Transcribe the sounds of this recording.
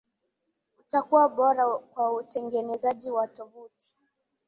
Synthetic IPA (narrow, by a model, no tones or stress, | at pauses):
utakuwaɓɔɾakwautɛŋɡɛnɛzaʄiwatɔvuti̥